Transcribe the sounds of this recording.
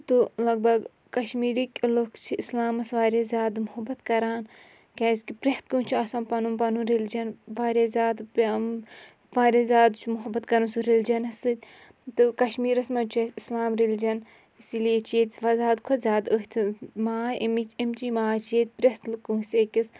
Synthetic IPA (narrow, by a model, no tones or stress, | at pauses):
t̪ulɐɡ̚bɐɡ | kɐʃmiːɾikʲlokt͡ʃʰiislaːmɐsʋaːɾʲezʲaːd̪mʊɦɐbɐt̪kɐɾaːn | kʲaːskipɾeht̪̚kuːt͡ʃʰiɐsɐːnpɐnumpɐnuɾeld͡ʒɐnʋaːɾʲeːzʲaːd̪p | ʋaːɾʲezʲaːd̪t͡ʃʰumuɦɐbɐt̪kɐɾɐnsuɾeld͡ʒɐnɐsɨd̪ʲ | t̪ɨkɐʃmiːɾɐsmɐt͡ʃesislaːmɾeld͡ʒɐn | isiliet͡ʃʰet̪ʲʋɐzaːd̪kʰozʲaːd̪əɦt̪ʰimaːemit͡ʃemt͡ʃimaːt͡ʃet̪̚ʲpɾest̪lɨkuːsʲeːkʲis